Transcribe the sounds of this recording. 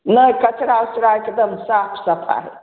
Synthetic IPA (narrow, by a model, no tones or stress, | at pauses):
nəkɐt͡ʃɾat͡ʃɾaked̪əmsaːpʰsɐpʰa̰l